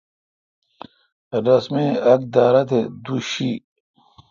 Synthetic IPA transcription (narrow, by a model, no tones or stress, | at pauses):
ɾɐsmeɐk̚d̪aːɾɐt̪ʰed̪uɕi